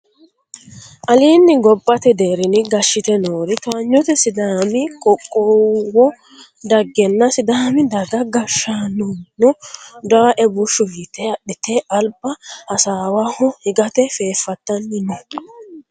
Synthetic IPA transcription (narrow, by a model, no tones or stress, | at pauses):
ʔɐliːnːɪɡɔpʼːɐt̪ɛd̪eːɾɪnɪɡɐʃːɪt̪ɛnoːɾɪt̪ɔɲːɔt̪ɛsɪd̪aːmɪkʼɔkʼːowɔ | d̪ɐɡːɛnːɐsɪd̪aːmɪd̪ɐɡɐɡɐʃaːnunɔd̪ɐwaʔɛbʊʃːʊhit̪ɛɐɗɪt̪ɛɐlbɐʔɐsaːwahɔhɪɡɐt̪ɛfe̞ːfːɐt̪ːɐnːɪnɔ